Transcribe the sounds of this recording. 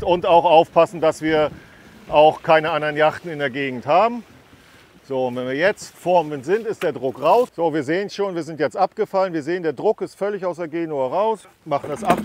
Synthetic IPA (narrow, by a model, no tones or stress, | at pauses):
ʊntaʊxʔaʊfpʰasn̩d̥asv̥iːɐ | ʔaʊxkʰaɪnəʔandɐʁənjaχtn̩ɪndeːɐɡeːɡŋ̩thaːbm̩ | z̥oːʊntvɛnviːɐjɛt͡stfɔɐmənz̥ɪntɪstd̥eːɐdʁʊkʁaʊsz̥oːviːɐzeːənsʃoːnviːɐzɪntjɛt͡stʔapɡ̥əfalənviːɐzeːəndeːɐdʁʊkɪstfœlɪçaʊs̬d̥eːɐɡeːnoɛʁaʊs | maχn̩dɛsʔap